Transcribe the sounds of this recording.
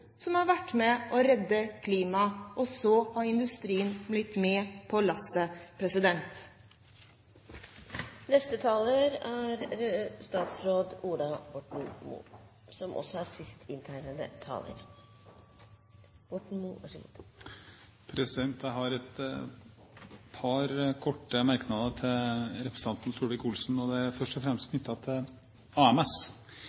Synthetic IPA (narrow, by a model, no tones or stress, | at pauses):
sɔmhɑɾʋæʈːmɛʔɔɾɛd̪ːəkʰliːmɑʔɔsɔhɑɾɪnd̪ʉst̪ɾiːənblɪt̪meːpʰɔlɑsəpʰɾɛsɪd̪ɛnt̪ | nɛst̪ət̪ʰɑːləɾæɾst̪ɑːt̪sɾoːd̪uːɖ̪ɑbɔʈn̩mṵː | sɔmʔɔ̰sɔæɾsɪst̪ʰɪnt̪ʰæɪɾəd̪ə̰t̪ʰɑ̰ːlə̰ɾ | bʊʈɳ̩mṵ | pʰɾɛsɪd̪ɛnt̪əɦɑɾɛt̪ | pʰɑɾkʰɔʈːəmæɾknɑd̪ət̪ʰɪlɾɛpɾəsɑnt̪nsuːʋɪkʊlsn̩ɔd̪ɛfœʂʈɔfɾɛmst̪kʰnʏt̪ːɑt̪ʰɪl | ɑːɛmɛs